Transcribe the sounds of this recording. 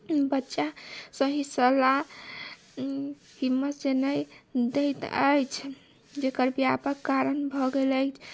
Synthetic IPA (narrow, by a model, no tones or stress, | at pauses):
bətːʃasəɦisəla | himːət̪d͡ʒenəjd̪ejt̪ə̰jt͡ʃʰ | d͡ʒekəɾbjapəkːaɾənbʱɔɡeləjt͡ʃʰ